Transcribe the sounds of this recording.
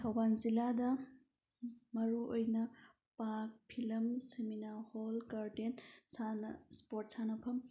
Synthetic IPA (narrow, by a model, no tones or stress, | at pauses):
tʰɐwbanziladɐ | mɐɾuʔojnɐ | pak̚pʰilɐmseminaholkaɾtensanɐspot̚sʰanɐpʰɐm